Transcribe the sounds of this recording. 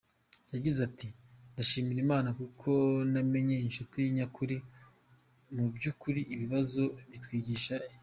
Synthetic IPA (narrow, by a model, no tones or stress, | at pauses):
jaɟizatindaʃiːmiɾimaːnakukʰo̞name̞ɲeinʃotijiɲakʰuɾi | mubjukuɾiʔːβiβazo̞βitwiːɟiʃa